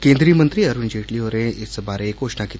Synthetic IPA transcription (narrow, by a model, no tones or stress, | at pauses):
kẽnd̪ɾiːmənt̪ɾiːəɾund͡ʑeʈliʋəɾẽesəbaɾẽekoʂnakit̪